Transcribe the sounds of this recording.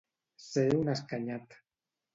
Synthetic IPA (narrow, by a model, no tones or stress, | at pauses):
seunaskaɲat̪